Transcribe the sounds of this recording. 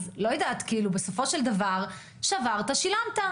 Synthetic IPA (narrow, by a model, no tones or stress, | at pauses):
zlo̞jed̪aːt̪keilube̞so̞fo̞ʃe̞ld̪avaʁ | ʃavaʁt̪aʃilamt̪a